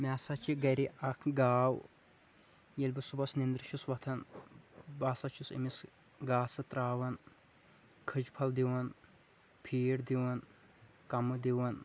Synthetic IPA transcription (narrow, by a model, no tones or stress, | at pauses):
mʲaːsɐt͡ʃʰiɡɐɾiʔɐkʰɡaːw | jilʲbɨsubɐsnind̪ɾɨʃusʋɐt̪ʰɐn | baːsɐt͡ʃʰusḭmis | ɡaːsɨt̪ɾaːwɐn | kʰɨd͡ʒpʰɐld̪iwɐn | pʰiːɽd̪iwɐn | kɐmɨd̪iwɐn